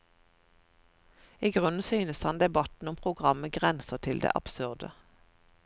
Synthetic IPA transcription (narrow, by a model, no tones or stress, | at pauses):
iːɡʁʉnn̩syːnəshɑnd̪ɛbɑt̪n̩ʊmpʰʁʊɡʁɑməɡʁɛnsət̪ʰɪld̪ḛːʔɑ̰b̥sʉʁd̪ə